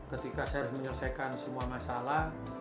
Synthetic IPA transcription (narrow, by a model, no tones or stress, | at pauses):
kət̪ikasajaɾʊsməɲərsajkansəmuamasalah